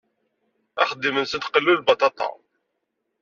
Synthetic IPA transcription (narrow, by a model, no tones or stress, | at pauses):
æχəd̪ːimənsənt̪qəlːulbɑt̪ˤɑt̪ˤɑ̰